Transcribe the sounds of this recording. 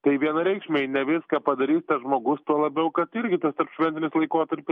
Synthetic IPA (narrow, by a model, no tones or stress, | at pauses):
t̪ɐɪʋʲiɛnɐɾʲɛɪkʃʲmʲenʲɛʋʲɪskɑːpɐd̪ɐɾʲiːst̪ɐsʒmoːɡʊst̪uɔlˠɐbʲɛʊkɐt̪ɪɾʲɡʲɪt̪ɐst̪ɐɾpʃʲʋʲɛnʲt̪ʲɪnʲɪslˠɐɪkoːt̪ɐɾʲpʲɪs